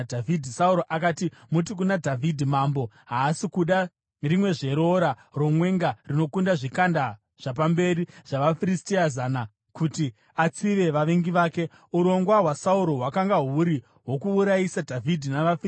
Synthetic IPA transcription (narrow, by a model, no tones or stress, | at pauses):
dʱavidʱisauɾoʔakaːtimut̬ik̬unadʱavidʱimaːmbo̞ | ɦaːsikuɗa | rimwe̞ʐe̞ɾo̞ɾaro̞mwe̞ŋɡarino̞kundaʐikanda | ʐ̥ap̬ambe̞ɾiʐ̥aʋafiɾistiazaːna | kuti | at͡siʋe̞ʋaʋeŋɡiʋaːke̞ | uɾo̞ŋɡwaɦwasauɾo̞ɦwakaŋɡaɦuɾi | ɦwo̞kuːɾaisadʱavʱidʱinaʋaf